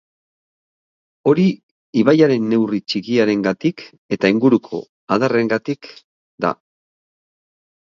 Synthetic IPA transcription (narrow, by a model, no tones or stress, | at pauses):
o̞ɾi | iβajaɾe̞nːe̞writ͡ʃikiaɾe̞ŋɡat̪ik | e̞t̪aiŋɡuɾukʰo̞̰ | aðare̞ŋɡat̪ik | d̪a̰